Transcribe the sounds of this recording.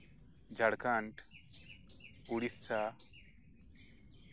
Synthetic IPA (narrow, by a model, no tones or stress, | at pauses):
d͡ʒʱɐɽkaɳʈ | uɽist͡sʰaː